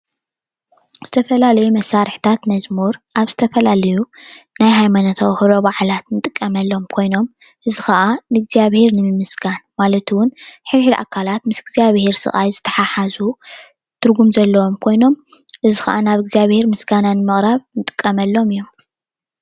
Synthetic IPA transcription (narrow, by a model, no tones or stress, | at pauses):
z̥ɨt̪ʰɐfɐlalɐjumɐsːaɾɨħt̪ʰat̪mɐzmuɾʔaβzɨt̪ʰɐfɐlalɐjunajɦajmanot̪ʰɐwhɨɾo̞baʕlat̪nɨt̪ʼɨkʼːɐmɐlːo̞mkʰo̞jno̞m | ʔɨzixɐʔanɨɡzijaβheɾnɨmɨmɨsɡanmalɐt̪ʰwʊnħɨɾħilʔa̰kʰalat̪mɨsɡziaβhe̞ɾsɨ̰χʼajzɨt̪ʰɐ̥ħaħazu | t̪ʰɨɾɡumzɐlːɐwomkʰo̞jno̞mʔɨzɨxɐʔanaβɨɡzijaβhe̞ɾmɨsɡananɨmɨχʼɾaβnɨt̪ʼɨ̥kʼːɐmɐlːo̞mɨjːom